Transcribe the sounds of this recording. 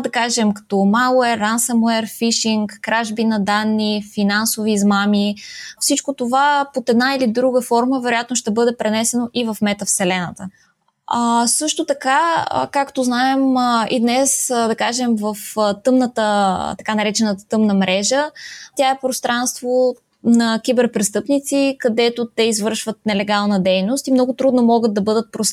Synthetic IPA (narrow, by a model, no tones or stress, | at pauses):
d̪ɐkaʒɛmkɐ̥t̪ɔmalˠuɛransɐmuɛɾfiʃiŋkːɾaʒbinɐd̪anːifinansoviːzmamifsit͡ʃkot̪ovapot̪ɛd̪nailid̪ɾuɡəfɔɾməvɛɾojat̪noʃt̪ɛbɤd̪ɛpɾɛnɛsɛnoʔivɐfmɛt̪əfsɛlɛnət̪ə | asɤʃt̪ot̪ɐka̰kakt̪oznaɛmḭd̪nɛsd̪ɐkaʒɛmvɐft̪ɤmnət̪ət̪ɐkanɐɾɛt͡ʃɛnət̪ət̪ɤmnəmɾʔɛʒət̪ʲjaɛpɾost̪ɾanst̪vo | nɐkʲibɛɾpɾɛst̪ɤpnit̪sikɐd̪ɛt̪ot̪ɛizvɤɾʃvət̪̚nɛlɛɡalˠnəd̪ɛjnost̪imnɔɡʊt̪ɾud̪nomɔɡəd̪̚d̪ɐbɤd̪ət̪̚pɾos